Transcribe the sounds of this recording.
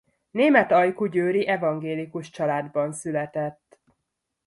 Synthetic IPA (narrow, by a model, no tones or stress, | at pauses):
neːmɛt̪ɒjkuɟøːɾiʔɛvɒŋɡeːlikuʃt͡ʃɒlaːd̪bɒnsylɛt̪ɛt̪ː